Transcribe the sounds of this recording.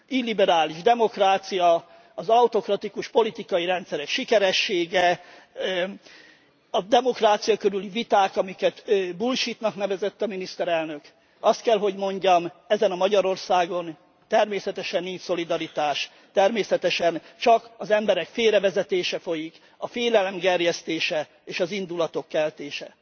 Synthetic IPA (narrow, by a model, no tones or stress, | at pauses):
ilːibɛɾaːliʒd̪ɛmo̞kraːt̪sijɒ | ɒzɒwt̪o̞krɒt̪ikuʃpo̞lit̪ikɒjiɾɛnt̪sɛɾɛkʃikɛɾɛʃːeːɡɛ | ɒd̪ɛmo̞kraːt̪sijɒkøɾylivit̪aːkɒmikɛt̪bulʃit̪nɒknɛvɛzɛt̪ːɒminist̪ɛɾɛlnøk | ɒst̪̚kɛlɦo̞ɟmo̞ɲɟɒmɛzɛnɒmɒɟɒɾo̞rsaːɡo̞n | t̪ɛrmeːsɛt̪ɛʃɛnːiɲso̞lid̪ɒɾit̪aːʃ | t̪ɛrmeːsɛt̪ɛʃɛnt͡ʃɒkɒzɛmbɛɾɛkfeːɾɛvɛzɛt̪eːʃɛfo̞jik | ɒfeːlɛlɛmɡɛrjɛst̪eːʃɛ | eːʃɒzind̪ulɒt̪o̞kːɛlt̪eːʃɛ